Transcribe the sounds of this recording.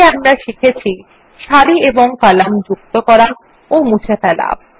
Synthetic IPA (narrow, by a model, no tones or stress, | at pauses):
amɾaʃikʰet͡ɕʰi | ʃaɾieboŋkalamd͡ʑuk̚t̪okɔɾa | omut͡ɕʰefɛla̰